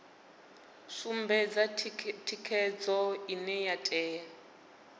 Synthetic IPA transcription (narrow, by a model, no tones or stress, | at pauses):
ʂumbɛd͡zatʰikʰɛd͡zɔinɛjatʼɛːa